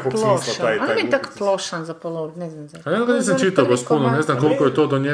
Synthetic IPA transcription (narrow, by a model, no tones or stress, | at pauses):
koploʃaajnmit̪akplˠoʃanzapolˠonɛznamzaajaɡaniːsamt͡ʃit̪aoɡospunoneznamkolkojet̪oːd̪oɲe